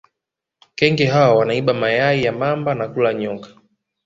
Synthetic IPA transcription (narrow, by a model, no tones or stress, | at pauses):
kɛŋɡɛɦawawanaiɓamajaijamambanakulaɲɔŋkḁ